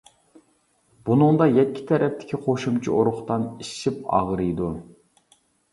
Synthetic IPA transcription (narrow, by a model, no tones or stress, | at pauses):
b̥unɨŋd̪ɑjɛkʲʰːi̥t̪ʰɛɾʔɛpt̪ʰɪ̥kʲiqʰoʃumt͡ʃʰioɾʊχt̪ɑniʃipɑ̰ʁɾɨjd̪u